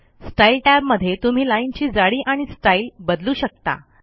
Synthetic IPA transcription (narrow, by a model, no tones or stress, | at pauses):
sʈailʈæbməd̪ʱːjet̪um̤iːlaint͡ɕiːd͡zaɽiːʔaɽ̃isʈailbəd̪luːɕək̚t̪a̰